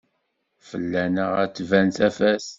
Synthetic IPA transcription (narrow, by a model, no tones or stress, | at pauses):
fəlːænəʁət͡sːvænt̪æfæs